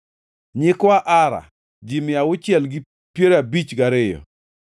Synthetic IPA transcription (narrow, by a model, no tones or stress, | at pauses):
ɲɪkwaʔaɾa̰ | d͡ʒimɪawʊt͡ʃjɛlɡɪ | pjeɾabit͡ʃɡaɾɪjɔ̰